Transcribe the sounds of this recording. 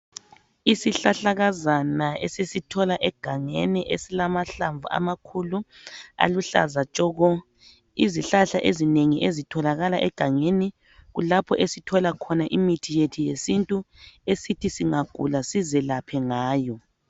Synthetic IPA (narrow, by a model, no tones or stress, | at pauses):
isiɬaɬaɣazanaɛsesitʰɔlaʔɛɡ̥ʱaŋḛniʔesilamaɬaɱvuʔa̰makʰulu | a̰luɬa̰zat͡ʃʼɔɣɔ | iziɬaɬaʔezineŋiʔezitʰɔlaɣalaʔɛɡ̥ʱaŋeni | ɣulapʰɔʔesitʰɔlakʰɔnaʔimitʰijetʰijesintʼuesitʰisiŋaɡ̥ʱṵlasizɛlapʰɛŋaːjɔ